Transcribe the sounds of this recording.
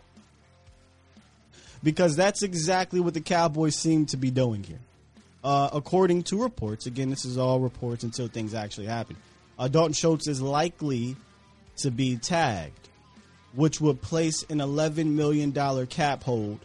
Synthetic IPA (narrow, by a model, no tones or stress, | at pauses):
b̥ɨkʰʌzðætsɨɡzæk̚tˡliwʌt̪̚ðɨkʰæbɔɪsĩmtʰɨbiduɪ̃ŋhḭɹ | əkʰɔɹɾɪ̃ŋtʰəɹɨpʰɔɹtsɨɡɛ̃nðɪsɨzɔlˠɹəpʰɔɹtsɨ̃n̩tʰɪlˠθɪ̃ŋzæk̚t͡ʃʉl̩ˠihæpn̩ | dɔʔn̩ʃoʊtsɨzlaɪkli | ɾɨbitʰæɡ̚d̥ | wɪt͡ʃwəd̚pʰl̥eɪsɨ̃nəlɛvɨ̃nmɪlˠjɨ̃ndɔlˠə˞kʰæphoʊlˠd̥